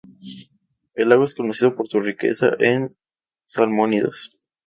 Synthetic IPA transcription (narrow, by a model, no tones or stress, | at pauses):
e̞laɣwae̞sko̞nosiðo̞po̞ɾsurike̞̰sa̰ʔen | salmoniðo̰s